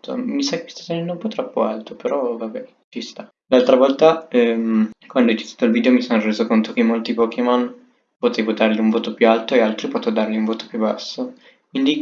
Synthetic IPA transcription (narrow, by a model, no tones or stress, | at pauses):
t̪o̰misakei̥st̪at̪enɛnd̪oumpɔt̪ːɾɔpːoalt̪opeɾɔvabɛ | t͡ʃist̪a | lalt̪ɾavɔlt̪aɛmkwand̪oɛjt͡ʃi̥t̪ḁːt̪oilviːd̪eomisonːoreːzokont̪okemːolt̪ipokemɔn | pot̪ɛvod̪arʎiuɱvoːt̪opjualt̪oealt̪ɾipɔt̪ed̪arliuɱvoːt̪o̥pjuba̰sːo | kwind̪i